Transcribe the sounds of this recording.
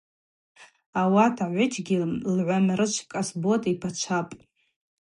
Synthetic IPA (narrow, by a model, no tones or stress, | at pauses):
awatʰaʕʷʊt͡ʃʰɡʲɪlʕʷamrɨt͡ʃʷʰkʼasbotʼipʰat͡ʃʷʰapʼ